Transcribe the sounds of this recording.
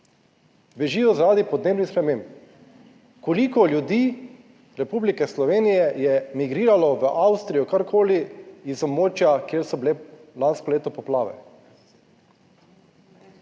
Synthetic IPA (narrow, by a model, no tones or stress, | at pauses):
bɛʒiːjɔzaɾaːd̪ipɔd̪neːbnispɾɛmemp | kɔlikɔljud̪iː | ɾɛpublikɛslɔʋeːnijɛjɛmiɡɾiːɾalɔʋəʔawst̪ɾijɔkaɾkʰoːliːzɔbmoːt͡ʃjakjeːɾsɔbilelanskɔleːt̪ɔpɔplaːʋɛ̰